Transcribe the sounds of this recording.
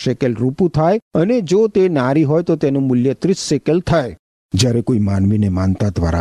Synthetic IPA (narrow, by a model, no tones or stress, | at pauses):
ʃekelɾupũt̪ʰajəned͡ʒot̪enaɾiɦɔjt̪ot̪enũmʊljət̪ɾisʃekelt̪ʰaj | d͡ʒjaɾekoimanʋinemant̪ad̪ʋa̰ɾa̰